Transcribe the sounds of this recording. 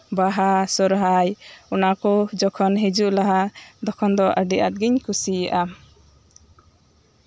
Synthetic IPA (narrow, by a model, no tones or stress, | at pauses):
baɦasɔɾɦajɔnakɔd͡ʒɔkʰɔnɦed͡ʒuʔlaɦad̪ɔkʰɔnd̪ɔʔəɖiʔa̰t̪̚ɡiɲkʰusiaʔa